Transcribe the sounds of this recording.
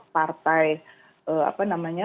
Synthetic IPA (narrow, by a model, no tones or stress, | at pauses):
part̪aj | əa̰panamaɲa